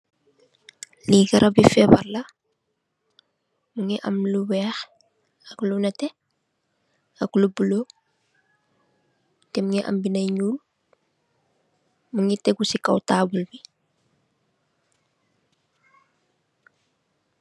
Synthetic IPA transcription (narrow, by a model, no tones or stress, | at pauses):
liɡɐɾʔɐbifɛbɐrlɐ | muŋiʔɐ̰mluwɛːx | ɐklunɐtɛ | ɐklubulo | tɛmuŋiʔɐ̰mbinɐjɲuːl | muŋitɛɡusikɐ̰wtaːbulbi